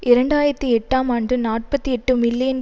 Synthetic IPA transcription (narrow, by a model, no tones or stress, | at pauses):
ʔɪɾɐɳɖaːjɪɾɐt̪ːiɛʈːaːmaːɳdrɯnaːʈ̚pɐt̪ːiɛʈːɯmɪlːɪjɐn